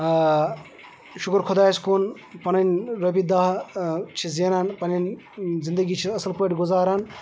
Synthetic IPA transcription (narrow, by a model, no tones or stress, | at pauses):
ʃukɾkʰod̪aːskoːn | pɐnɐnɾɐbid̪aːɦt͡ʃʰizeːnaːnpɐnɐn | zind̪ɐɡiːt͡ʃʰiɐsɐlpɐʈʲɡuzaːɾaːn